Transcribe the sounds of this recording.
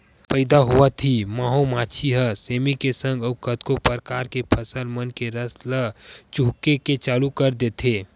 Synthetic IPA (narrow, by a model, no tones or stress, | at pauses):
pəɪd̪aɦuət̪ʰimaːɦomat͡ʃʰiɦəsemikesə̃ŋɡəʊkət̪kopəɾkaːɾkepʰəsəlmənkeɾəslət͡ʃuɦkeket͡ʃaːlukəɾd̪et̪ʰe